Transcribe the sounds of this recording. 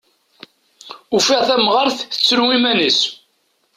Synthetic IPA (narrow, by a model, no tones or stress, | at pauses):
ufiʁθæmʁəɾθə̥t͡sːɾwimænəs